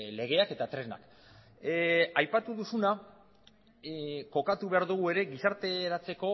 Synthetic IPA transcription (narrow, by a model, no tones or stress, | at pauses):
le̞ɣ̞e̞ake̞t̪at̪ɾe̞na̰k | ajpat̪uðusuna | ko̞kat̪uβe̞aɾðuɣ̞ue̞ɾe̞ɡisaɾt̪e̞ɾat͡se̞ko̞